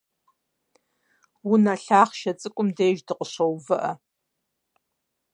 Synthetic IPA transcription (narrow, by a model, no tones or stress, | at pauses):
wʊnaːɬaːχʃɐt͡sʼɨkʷʼʊmdeːʒdɨqʼəɕʷowvɨʔɐ